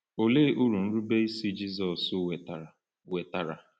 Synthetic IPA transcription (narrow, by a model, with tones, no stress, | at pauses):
o˨le˦ʔu˦ɾu˨n̩˦ɾu˦be˦i˦si˦d͡ʒi˦zɔ˨sʊ˦e˨t | we˨ta˨ɾa̰˨